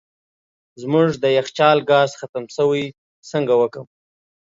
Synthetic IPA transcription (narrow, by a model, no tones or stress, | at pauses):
zmʊʐd̪əjaxt͡ʃɑːlɡɑzxat̪əmsəwij | səŋɡawəkəm